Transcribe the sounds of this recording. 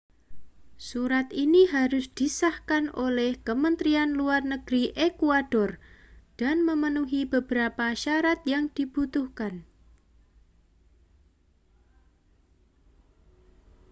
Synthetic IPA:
suɾat̪iniɦaɾʊsd̪̥isahkanolɛhkəmənt̪ɾianluarnəɡ̥ɾiʔekuad̥ɔrd̥anməmənuɦibəbəɾapaʃaɾat̪̚jaŋd̪̥ib̥ut̪uhkan

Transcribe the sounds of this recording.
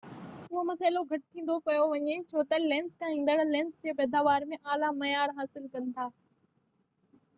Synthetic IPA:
ʊomɐsaːɪloɡʱɐʈ̚t̪ʰĩːn̆d̪opɐjoʋɐɲet͡ɕʰoːt̪ɐlɛ̃ːnskʰãɦĩːn̆d̪əɽlɛ̃ːnsd͡ʑeːpɛːd̪aːʋaːɾmẽʔaːlamɐjaːɾɦaːsɪlkɐnɪ̆t̪ʰaː

